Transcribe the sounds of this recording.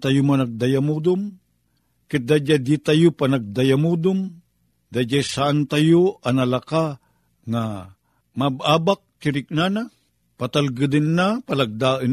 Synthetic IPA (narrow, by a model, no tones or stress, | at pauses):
t̪ajʊmanaɡ̚d̪ajamud̪ʊm | kɪt̪̚d̪ad͡ʒad̪it̪ajʊpanaɡ̚d̪ajamud̪ʊm | d̪ad͡ʒajsaʔant̪ajoʔanalaka | ŋa | mab̚aːbak̚kɪɾɪk̚nana | pat̪alɡɨd̪ɪnːapalaɡ̚d̪aːʔɪn